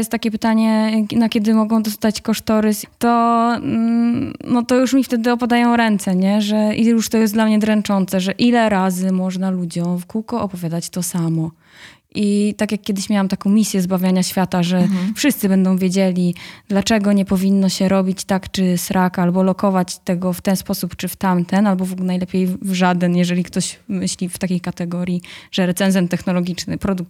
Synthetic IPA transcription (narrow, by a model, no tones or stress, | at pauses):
jɛst̪t̪ːakʲɛpɘt̪aɲɛnakʲɛd̪ɘmɔɡɔ̃w̃d̪ɔst̪at͡ɕkɔʂt̪ɔɾɘst̪ɔ | nɔt̪ɔjuʂmʲift̪ɛd̪ɘɔpad̪ajɔ̃w̃ɾɛnt̪sɛɲɛʐɛijuʂt̪ɔjɛslamɲɛd̪ɾɛnt͡ʂɔnt̪sɛʐɛʔilɛɾazɘmɔʐnalud͡ʑɔ̃w̃fkuwkɔɔpɔvʲjad̪at͡ɕt̪ɔsamɔ | ʔit̪akʲjakːʲɛd̪ɘɕmʲjawamt̪akɔ̃w̃mʲisʲjɛzbavʲjaɲaɕfʲjat̪aʐɛfʂɨst̪sɘbɛnd̪ɔ̃w̃vʲjed͡ʑelʲid̪lat͡ʂɛɡɔɲɛpɔvʲinːɔɕɛɾɔbʲit͡ɕt̪akt͡ʂɘsɾʔakalbɔlɔkɔvat͡ɕt̪ɛɡɔft̪ɛnspɔsupt͡ʂɘft̪amt̪ɛnalbɔvuknajlɛpʲjejvʐad̪ɛnjɛʐɛlʲikt̪ɔɕmɘɕlʲift̪akʲejkat̪ɛɡɔɾʲjiʐ̥ɛɾɛt̪sɛnzɛmt̪ɛxnɔlɔɡʲit͡ʂnɘpɾɔd̪uk̚t̪